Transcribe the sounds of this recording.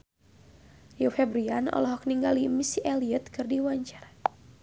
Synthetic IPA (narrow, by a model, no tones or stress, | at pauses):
jufɛbɾianɔ̰lɔɦɔk̚niŋɡalimisiʔɛliət̪̚kɨrdiwaɲt͡ʃaɾa